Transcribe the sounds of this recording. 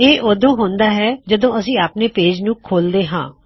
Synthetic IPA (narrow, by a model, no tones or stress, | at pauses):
eːʔoːd̪õːɦõːnd̪aːɦɛːd͡ʒəd̪õːəsĩːaːpneːpeːd͡ʒnũːkʰoːld̪eːɦã̰ː